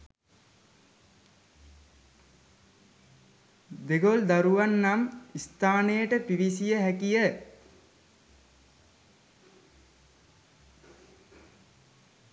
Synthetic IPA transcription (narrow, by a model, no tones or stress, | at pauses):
d̪eɡold̪aɾuʋanːamist̪aːnəjəʈəpiʋisijəɦækijə